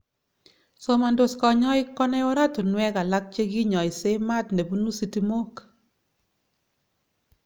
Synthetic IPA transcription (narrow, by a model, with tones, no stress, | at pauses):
so˦ma˨ndo˨skɔ˨ɲɔ˦ɪ˦kɔ˦nɛ˦ɔ˦ɾa˦to˨nwɛ˦ka˨la˦k̚t͡ʃe˦ɡi˦ɲɔ˨ɪ˨se˦ma˦˨t̪ne˨bu˦nu˦si˦ti˦mo˦k